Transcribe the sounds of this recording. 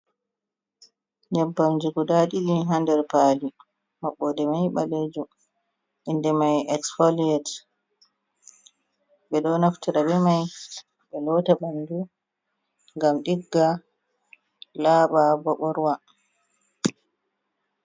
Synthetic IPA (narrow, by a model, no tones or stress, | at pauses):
ɲɛbːamd͡ʒuɡudaɗiɗiɦandɛɾpaːli | maɓːɔdɛmajɓaled͡ʒu | ʔindɛmajɛksfɔliɛt | ɓɛɗɔnaftiɾabɛmaj | ɓɛlɔːtabandu | ŋɡamɗiɡːa | laːɓabɔɓɔɾwa